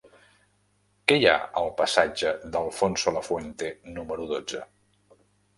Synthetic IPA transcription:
kɛja̰əlˠpəsad͡ʒəðəlˠfonsoləfwent̪enuməɾuðod͡zə

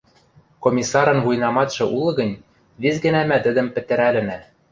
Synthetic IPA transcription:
komʲisːɑɾɤ̆nvujnɑmɑt̪ʃɤ̆ʔulˠɤ̆ɣɤ̆nʲ | βizɡɘ̆næmæt̪ɘ̆d̪ɘ̆mpɘ̆t̪ɘ̆ɾælɘ̆næ

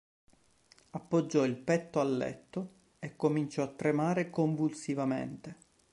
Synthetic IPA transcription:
apːod͡ʒːɔilpɛt̪ːoalːɛ̰t̪ːo | ekːomint͡ʃɔat̪ːɾemaːɾekoɱvulsivamḛnt̪e

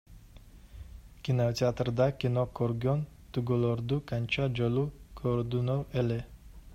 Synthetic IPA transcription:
kʲinot̪ʲeat̪rd̪ɑkʲinokʰoɾɡʲont̪uɡolˠoɾd̪ukanʲt͡ʃad͡ʒolˠukʰoɾd̪unowelɛ

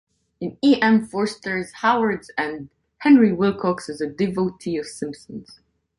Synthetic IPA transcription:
ɨ̃niʔɛ̃mfɔɹstə˞z̥haʊə˞dzɨ̃n | hɛ̃nɹiwɪlˠkʰɔksɨzɨdɨvoʊtʰiʌv̥sɪ̃mpsə̃nz̥

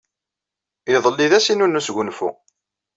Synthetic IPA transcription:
ɪðˤəlːiðæsinunːusʝunfṵ

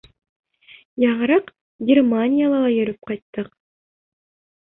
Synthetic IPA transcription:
jɑʁɾɤq | ɡʲɪrmanʲijalˠɑlˠɑjøɾyp̚qɑjt̪ːɤq

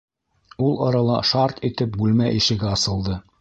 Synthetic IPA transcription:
ulˠɑɾɑlˠɑ̰ʃɑɾt̪it̪ɘp̚bʉlmæʔiʃɘ̆ɡɘɑsɤ̆lˠd̪ɤ

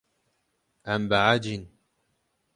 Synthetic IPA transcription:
ʔambaʕad͡ʒɪn

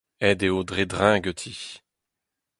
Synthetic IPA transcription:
ɛd̪eod̪ʁed̪ʁɛ̃ɡət̪ʰi

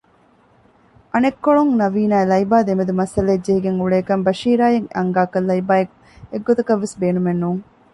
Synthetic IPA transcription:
ʔɐnekːoɭuŋnɐʋiːnaːelɐibaːd̪emed̪umɐsɐleːd͡ʒeɦiɡeŋuɭeːkɐmbɐʃiːɾaːjeŋɐ̰ŋɡaːkɐlːɐjbaːek | eɡːot̪ɐkɐʋːesbeːnumenːuːŋ

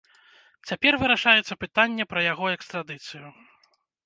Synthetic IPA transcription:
t͡sʲapʲɛrvɨɾaʂajɛt̪sːɐpɨt̪anʲːɛpɾɐjaɣɔɛkst̪ɾad̪ɨt̪sɨju

